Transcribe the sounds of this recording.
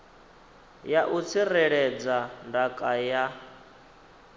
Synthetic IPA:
jaʔut͡sʰirɛɺɛd͡zandakʼaja

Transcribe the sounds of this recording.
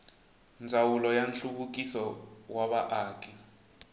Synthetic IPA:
nd͡zʱawulɔjanɬukuk̬ʼisɔwaβaʔaːkʼi

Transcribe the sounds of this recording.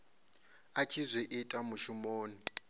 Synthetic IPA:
at͡ʃʰizʷiʔitʼamuʃumoːni

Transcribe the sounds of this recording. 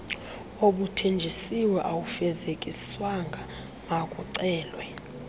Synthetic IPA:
oɓutʰend͡ʒʱisiwɛʔawufɛzekʼiswaŋɡʱa | makʼuǀɛːlwɛ

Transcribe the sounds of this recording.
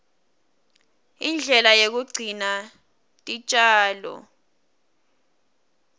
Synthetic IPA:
ind͡ɮʱɛlajek̬uɡ͡ǀʱina | tʼit͡ʃʼaːlɔ̰

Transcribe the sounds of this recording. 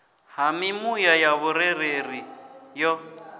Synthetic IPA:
hamɪmujajaβʊɾɛɾerijɔ

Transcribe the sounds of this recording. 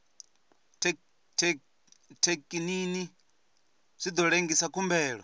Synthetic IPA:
tʰekʼinini | z̥ʷid̪ɔɺeŋɡisakʰumbɛːɺɔ̰

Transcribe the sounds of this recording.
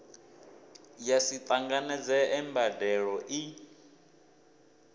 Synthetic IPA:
jasit̪ʼaŋɡanɛd͡zɛɛmbadɛɺɔʔi

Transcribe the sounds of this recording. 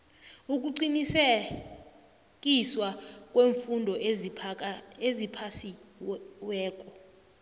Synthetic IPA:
uk̬ʼuǀinisɛ | k̬ʼiswak̬ʼweːɱfundʱɔ | ezipʰasi | wɛːk̬ʼɔ

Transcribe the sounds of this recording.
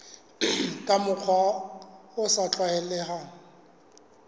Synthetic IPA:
kʼamʊk͡xʰwa | ʊsat͡ɬʼwaɛlɛhaːŋ̩

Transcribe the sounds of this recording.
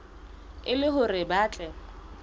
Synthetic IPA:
ɪlɪɦʊrɪbaːt͡ɬʼɛ

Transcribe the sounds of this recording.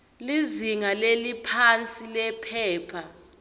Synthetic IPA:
liziŋalelipʰant͡sʼilɛpʰɛːpʰa

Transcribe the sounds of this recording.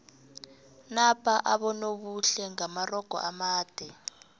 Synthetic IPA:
napʰʼaʔaɓɔnoɓuɬɛŋamarɔɡ̥ʱɔ̰ʔamaːd̥ʱɛ

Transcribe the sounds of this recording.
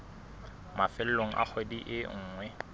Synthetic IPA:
mafɪl̩loŋ̩ʔa̰k͡xʰwediʔɪŋ̩ːŋwɛ

